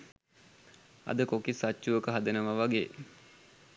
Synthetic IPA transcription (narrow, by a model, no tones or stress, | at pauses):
ɐ̰d̪əkokisat͡ʃːuʋəkəɦad̪enəʋaʋaɡeː